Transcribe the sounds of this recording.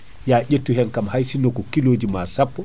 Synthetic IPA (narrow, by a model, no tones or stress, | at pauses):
jaːʄetːuɦɛnkamhajsinɔkɔkiloːd͡ʒimasapːɔ